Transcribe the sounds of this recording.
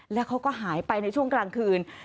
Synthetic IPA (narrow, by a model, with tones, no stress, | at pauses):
lɛː˦˥wkʰa˦˥wkɔː˥˩ɦaː˩˦jpa˧jna˧jt͡ɕʰu˥˩əŋklaː˧ŋkʰɯː˧n